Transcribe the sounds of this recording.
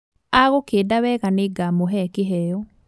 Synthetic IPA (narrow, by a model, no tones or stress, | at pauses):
aɣokeːdawɛɣaneːɡamoɦɛkeɦɛɔ